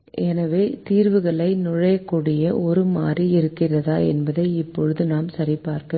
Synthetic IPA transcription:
ʔɛnɐʋeːt̪iːɾʋɯɣɐɭɐɪnʊɻɐjɐkːuːɽɪjɐʔɔɾɯmaːriɪɾɯkːɪrɐða̰ːɛ̰nbɐðɐɪɪpːɔɻɯðɯnaːmsɐɾɪpːaːɾkɐ

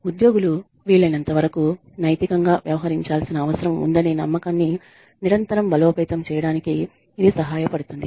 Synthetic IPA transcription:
ud̪jo̞ːɡulu | ʋiːɭːɐnɐnt̪ɐʋɐɾɐku | nɐjt̪ikɐŋɡaːʋjɐʋɐɦɐɾiɲt͡ʃaːlsinɐːʋɐsɐɾɐmṵnd̪ɐninɐmːɐkaːnːi | niɾɐnt̪ɐɾɐmbɐloːpɛːt̪ɐmt͡ʃɛːjɐɽaːnikiː | d̪isɐɦaːjɐpɐɽut̪und̪i

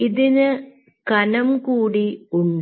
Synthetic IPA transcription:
iðinɨ | kɐnɐmkuːɽiuɳɖɨ

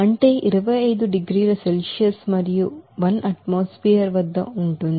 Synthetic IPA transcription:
ɐɳʈɐjʔiɾɐʋɐɐjd̪uɖiɡɾiːɾɐselsijɐsmɐɾijuʋɐnɐʈmoːspiːɐɾʋɐd̪ːɐuɳʈund̪

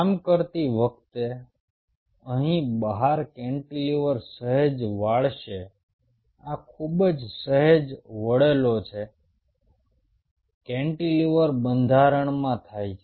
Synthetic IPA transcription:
kamkəɾt̪iʋək̚t̪e | əɦĩbəɦaɾkɛ̃ɳʈiliʋəɾsəɦed͡ʒʋaɭʃe | akʰubd͡ʒsəɦed͡ʒʋəɭelot͡ʃʰe | kɛ̃ɳʈiliʋəɾbənd̪ʱaɾəɳmãt̪ʰajt͡ʃʰe

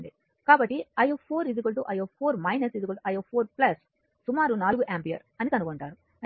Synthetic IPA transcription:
ɳɖi | kaːbɐʈːiɐjoːpʰoːɾizik̬ɐlʈuʔɐjoːpʰoːɾmɐjnɐsizikɐlsɐjoːpʰoːɾplɐs | sumaːɾunaːluɡuʔaːmpijɐ̰ɾɐnikɐnukoɳʈaːɾu

